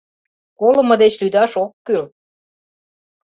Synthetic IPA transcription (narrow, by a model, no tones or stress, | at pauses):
kolə̆mɤ̆d̪et͡ɕlyd̪ɑʃokːyl